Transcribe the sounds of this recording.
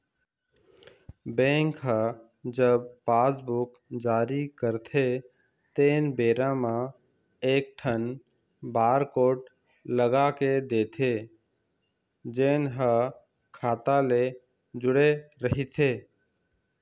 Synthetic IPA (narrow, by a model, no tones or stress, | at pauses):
bẽːŋkɦa | d͡ʒəb̚paːsbʊk | d͡ʒaːɾikəɾt̪ʰe | t̪eːnbeːɾãmã | eːk̚ʈʰən | baːɾkoːʈ | ləɡaked̪eːt̪ʰe | d͡ʒeːnɦə | kʰaːt̪ale | d͡ʒʊɽeɾəɦit̪ʰeː